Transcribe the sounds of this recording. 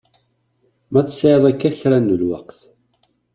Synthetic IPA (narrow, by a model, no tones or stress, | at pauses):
mæt͡sːsɪðˤækːæçɾænːəlwa̰qθ